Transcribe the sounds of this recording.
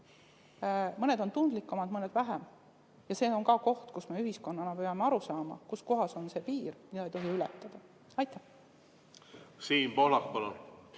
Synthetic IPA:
mɤne̞d̪o̞nt̪und̪̥likːˑumɑd̪mɤned̪væɦem | jɑse̞ːo̞ŋkɑko̞ht̪kusme̞yɦisko̞nːɑnɑpejɑmeɑɾusɑːmɑ̰kusko̞ɦɑso̞nse̞piːɾmid̪ɑejt̪o̞ɦiylɛt̪ːˑɑd̪̥ɑ | ɑjt̪ːˑæh | siːnpoːlɑkpɑlon

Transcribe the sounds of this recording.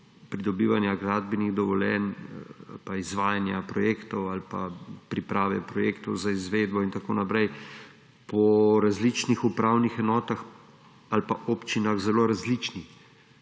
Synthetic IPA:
pɾid̪ɔbiːʋanjaɡɾaːd̪biniɣd̪ɔʋɔljɛna̰lpaizʋaːjanjapɾɔjeːkt̪ɔwalpapɾipɾaːʋɛpɾɔjeːkt̪ɔwzaizʋeːd̪bɔint̪akoːnapɾɛj | pɔɾazlit͡ʃnixupɾawnixɛnɔːt̪ax | alpaʔopt͡ʃinaɣzɛloːɾazlit͡ʃni

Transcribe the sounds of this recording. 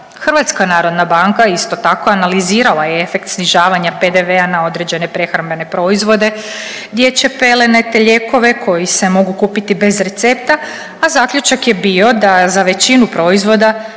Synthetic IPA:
xrɾʋat̪skanaːɾo̞d̪nabaŋkaist̪o̞t̪ako̞analiziːɾalˠajeefe̞kt̪sniʒaːʋaɲape̞d̪e̞ʋeanao̞d̪ɾe̞d͡ʑe̞ne̞pɾe̞xɾambe̞ne̞pɾo̞izʋo̞d̪e̞ | ɡd̪je̞t͡ɕe̞pe̞le̞net̪eʎe̞ko̞ʋe̞kʰo̞jise̞mo̞ɡukuːpit̪ibe̞zɾe̞t̪se̞pt̪aː | zaːkʎʲut͡ʃakje̞bio̞d̪azaʋe̞t͡ɕinupɾo̞izʋo̞d̪a

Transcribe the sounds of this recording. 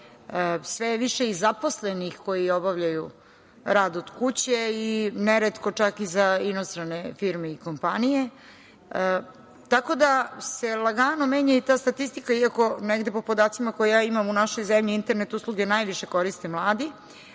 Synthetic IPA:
sʋeʋiʃe̞izaposlenixko̞jio̞baʋʎaju | ɾaːd̪od̪̥kut͡ɕeineɾet̪ko̞t͡ʃakizainost̪ɾane̞fiɾmeiko̞mpanije̞ | ə | t̪ako̞d̪ase̞laɡaːnomeːɲait̪aːst̪at̪ist̪ikaiako̞neɡd̪e̞po̞po̞d̪aːt̪simako̞jejaːimamunaʃo̞jzemʎiint̪eɾnet̪uslˠuɡenajʋiʃe̞ko̞ɾist̪e̞mlˠaːd̪i

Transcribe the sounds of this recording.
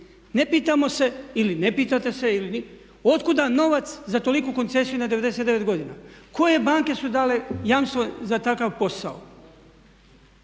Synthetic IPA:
ne̞piːt̪amo̞se̞iline̞piːt̪at̪e̞se̞ilin | o̞t̪kud̪ano̞ʋat̪szat̪o̞likuko̞nt̪se̞sijunad̪eʋe̞d̪e̞se̞t̪d̪eʋe̞t̪ɡo̞d̪iːnako̞je̞baːŋke̞sud̪aːle̞jaːmst̪ʋo̞zat̪akaʋpo̞sao

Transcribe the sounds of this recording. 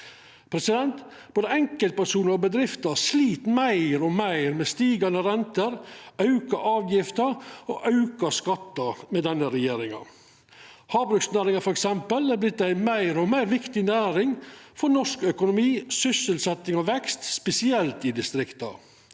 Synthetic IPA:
pʰɾɛsɪd̪ɛnt̪ | b̥oːd̪əɛŋkəlt̪̚pʰæʂuːnəɾɔbəd̪ɾɪft̪əsliːt̪mæɪɾɔmæɪɾmeːst̪iːɡɑnəɾɛnt̪əɾɑʉkɑʔɑːʋjɪft̪əɾo̰ːʔɑʉkɑskɑt̪ːɑmeːd̪ɛnːəɾɛjeːɾɪŋɑ̰ | hɑːbɾʉksnæːɾɪŋɑfɔɾɛksɛmpəlæblɪt̪ːæɪmæɪɾɔmæɪɾʋɪkt̪ɪnæːɾɪŋfɔɾnɔʂkœkʊnʊmiːsʏsəlsɛt̪ːɪŋɔʋɛkst̪spɛsɪɛlt̪ɪd̪ɪst̪ɾɪkt̪ɑ̰

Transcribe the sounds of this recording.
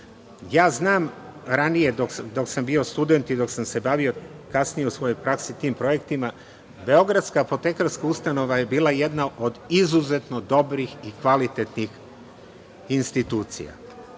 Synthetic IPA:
jaːznaːmɾanije̞d̪oksd̪o̞ksambio̞st̪ud̪e̞nt̪id̪o̞ksamse̞baʋio̞kasnijeusʋo̞jo̞jpɾaksit̪iːmpɾo̞je̞kt̪ima | be̞o̞ɡɾad̪skaːpo̞t̪e̞kaɾskaust̪ano̞ʋaje̞biːlˠaje̞d̪naʔo̞d̪izuze̞t̪no̞d̪o̞bɾixikʋalit̪e̞t̪nix | inst̪it̪uːt̪sḭja̰

